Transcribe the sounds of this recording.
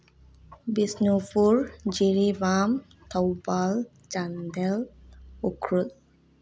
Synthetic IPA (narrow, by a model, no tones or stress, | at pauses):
bisnufuɹd͡ʒiɾibam | t̪ʰɔwbal | d͡ʒand̪ɛlukʰɾul